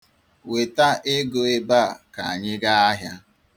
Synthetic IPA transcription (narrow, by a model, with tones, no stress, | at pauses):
we˨ta˦ʔe˦ɡo˨e˦ba˦a˨ka˨a˨ɲɪ˦ɡa˦a˦ɦja˦